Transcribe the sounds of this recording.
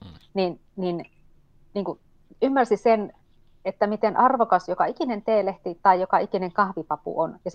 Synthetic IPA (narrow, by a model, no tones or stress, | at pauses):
nin | nin | niːŋku | ymːærsisen | et̪ːæmit̪enʔɑrʋokɑsjokɑikinent̪eːleht̪it̪ɑijjokɑikineŋkɑhʋipɑpṵʔonjɑs